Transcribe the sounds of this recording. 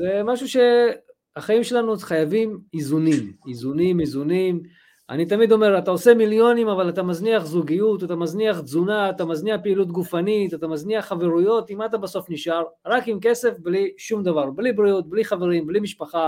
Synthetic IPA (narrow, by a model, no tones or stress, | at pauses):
zemaʃuʃe̞ | aχaimʃe̞lanuχajavimizunimizunimizunim | a̰nit̪amid̪o̞me̞ʁat̪aose̞miljo̞nimavalat̪amazniaχzuɡijut̪at̪amazniaχzunaːt̪amazniaχpeilut̪̬ɡufanit̪at̪amazniaχːave̞ʁujo̞t̪imat̪abaso̞fniʃaʁʁakimke̞se̞fbliʃumd̪avaʁblibɾiut̪̚bliχave̞ʁimblimiʃpaχa